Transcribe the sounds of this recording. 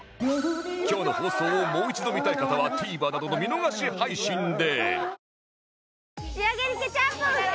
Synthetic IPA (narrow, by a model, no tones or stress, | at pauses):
kʲo̞ːno̞ho̞ːso̞ːmo̞ːit͡ɕid̪o̞mʲit̪aikat̪aβat̪ʰiːbaːnad̪o̞no̞mʲino̞ɡaɕihaiɕĩnd̪e̞ | iaɡeɾikʲet͡ɕa